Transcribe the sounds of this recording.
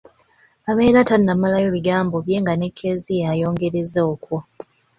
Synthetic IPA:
aβe̞ːɾatanːamalajo̞βiɡaːmbo̞βje̞ŋɡane̞kʰːe̞zijajo̞ːŋɡe̞ɾezoːkwo

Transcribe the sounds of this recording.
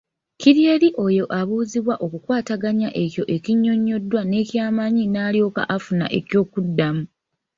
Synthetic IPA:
ciɾie̞ːɾiʔo̞jo̞ʔaβuːziβwaʔo̞kukwaːtaɡaɲaʔe̞cjo̞ʔe̞ciɲːo̞ɲːo̞dːwane̞ːcjaːmaɲinaːljo̞ːka̰ʔafuna̰ʔe̞cjo̞ːkudːamu

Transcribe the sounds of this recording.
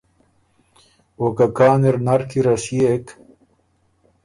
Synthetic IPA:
wokakaːneɾnɐɾkiɾasijek

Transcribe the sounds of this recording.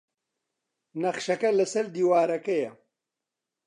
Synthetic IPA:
nɐχʃɐkɐlɐsɐɾd̪iːwaːɾɐkɐjɐ

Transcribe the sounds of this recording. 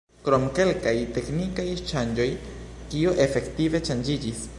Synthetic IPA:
kɾo̞mke̞lkajte̞knikajʃand͡ʒo̞jkiuʔe̞fe̞ktive̞t͡ʃand͡ʒid͡ʒis

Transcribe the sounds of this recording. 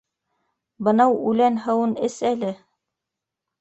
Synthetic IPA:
bɤ̆nɑwʉlænɦɤ̆wɤnɘsælɘ

